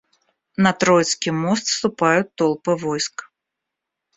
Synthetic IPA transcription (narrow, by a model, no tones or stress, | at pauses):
nɐt̪ɾɔjt̪skʲimɔst̪st̪upajut̪ːɔlˠpɨvɔjsk